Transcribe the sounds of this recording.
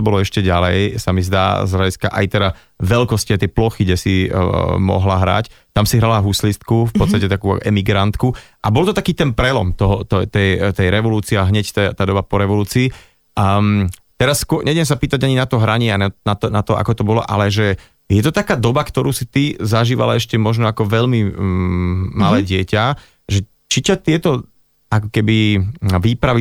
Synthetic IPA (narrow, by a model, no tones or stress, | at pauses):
ɔbɔlɔɛʃcɛɟalɛjsamizd̪a̰ːzɦlaɟiska̰ʔa̰jt̪ɛɾa | ʋɛlkɔsciajt̪ɛjplɔxiɡɟɛsimɔ̰ɦlaɦɾa̰ct̪amsiɦɾalaɦuslist̪kufpɔt̪t͡st̪acɛt̪akuːɛmiɡɾant̪ku | ʔabɔlt̪ɔt̪akiːt̪ɛnpɾɛlɔmt̪ɔɦɔt̪ɔt̪ɛjt̪ɛjɾɛʋɔluːt͡siɛaɦɲɛct̪ɛt̪aːd̪ɔbapɔɾɛʋɔluːt͡siː | mt̪ɛɾasːkʊɔɲɛdɪɛms̬apiːt̪aɟaɲinat̪ɔɦɾaɲɪɛananat̪ɔnat̪ɔʔa̰kɔt̪ɔbɔlɔ̰ʔa̰lɛʒɛ | jɛt̪ɔt̪akaːd̪ɔbakt̪ɔɾuːsit̪izaʒiːʋa̰la̰ɛʃcɛmɔʒnɔakɔʋɛʎmi | malɛːɟɪɛca | ʒɛ | t͡ʃicat̪ɪɛt̪ɔ | akɔkɛbiʋiːpɾaʋi